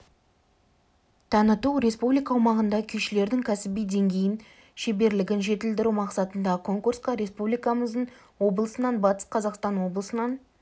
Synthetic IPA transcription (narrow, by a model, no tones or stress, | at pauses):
t̪ʰɑnət̪uɾe̞spublijkɑwmɑʁənd̪ɑkʲʰʏjʃɪle̞ɾd̪ɪŋkʲʰæsɪbijd̪e̞ŋɡʲe̞jɪn | ʃebe̞ɾlɪɡʲɪnʒe̞t̪ɪld̪ɪɾumɑqsɑt̪ənd̪ɑkʰo̞ŋkuɾsqɑɾe̞spublijkɑməzd̪əɴ | wo̞bəlˠəsənɑnbɑt̪ə̥sqʰɑzɑqst̪ɑnwo̞blˠəsənɑn